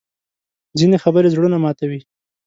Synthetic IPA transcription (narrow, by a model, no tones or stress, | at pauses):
d͡zinexabəɾezɽunamɑt̪awi